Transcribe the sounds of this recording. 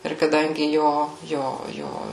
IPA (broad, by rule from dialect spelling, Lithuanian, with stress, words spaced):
ɪr kɐˈdɐŋʲɡʲɪ ˈjoː ˈjoː ˈjoː